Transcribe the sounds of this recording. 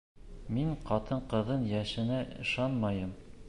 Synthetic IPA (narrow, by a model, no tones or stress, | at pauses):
miɴqɒt̪ɤɴqɤ̆ðɤnjæʃɘ̆næʔɤ̆ʃɑnmɑjɤm